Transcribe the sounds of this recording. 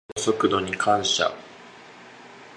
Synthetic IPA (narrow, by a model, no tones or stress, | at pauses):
so̞kɯ̟d̪o̞ɲ̟ikʰãɰ̃ɕa̰